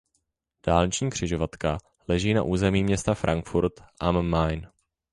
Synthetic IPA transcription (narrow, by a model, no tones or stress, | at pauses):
d̥aːlɲɪt͡ʃɲiːkr̥ɪʒovat̪ka | lɛʒiːna̰ʔuːzɛmiːmɲɛst̪afɾʔaŋkfuɾt̪ʔammajn